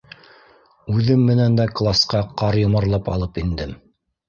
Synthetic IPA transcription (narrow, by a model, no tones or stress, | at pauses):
ʉðɘmːɘ̆nænd̪æklˠasqɑqɑɾjŏmɤ̆ɾlˠɤpɑ̰lˠɤpind̪ɘm